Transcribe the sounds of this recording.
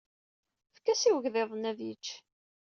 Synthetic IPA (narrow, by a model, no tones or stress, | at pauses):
fkːæsiwəʝðeðˤnæðjit͡ʃː